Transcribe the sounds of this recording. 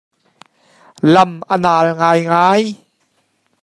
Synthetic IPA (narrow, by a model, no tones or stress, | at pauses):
lɐmʔənaːlŋaːjŋaːj